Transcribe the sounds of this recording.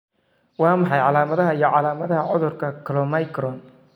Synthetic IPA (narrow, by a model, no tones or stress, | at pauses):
wɑːmɑħɑjʕɑlaːmɐðɐɦɐijɔʕɑlaːmɐðɐɦɐʕʊðʊrkʰɐkʰɔlɔmɐjkɾɔn